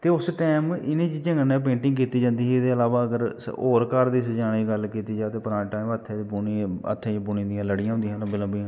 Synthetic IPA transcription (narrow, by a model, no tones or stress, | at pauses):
t̪eːʊsʈɛːmɪnẽːt͡ʃt͡ʃəŋənɛːp̬ẽːɳʈɪ̃ŋɡkiːt̪iːd͡ʒãːnd̪iːd̪eːəlaːʋaːəɡəɾoːɾkəɾd̪iːsd͡ʒaːɽiːɡəlkiːt̪iːd͡ʒaːt̪eːpəɾãːʈaːimət̪ʰːẽːibuiə̰t̪ʰːẽːt͡ʃːbʊniːd̪ijãːləɽɪjãɦʊ̃nd̪iːɦãːnːbɪləbiːãː